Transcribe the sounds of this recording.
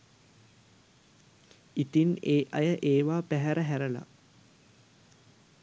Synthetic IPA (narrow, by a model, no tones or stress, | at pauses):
it̪ineːʔɐjəʔeːʋaːpæɦæɾəɦæɾəla̰